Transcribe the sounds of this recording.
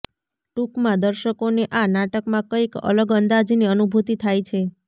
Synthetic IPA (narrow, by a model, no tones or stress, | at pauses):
ʈukmãd̪əɾʃəkoneʔanaʈəkmãkəikə̰ləɡənd̪ad͡ʒiniənubʱut̪it̪ʰajt͡ʃʰe